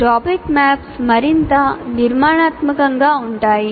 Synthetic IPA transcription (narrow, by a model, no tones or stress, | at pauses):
ʈɔpikmæpsməɾint̪aniɾmaːɳ̃aːt̪məkəŋɡauɳʈaːi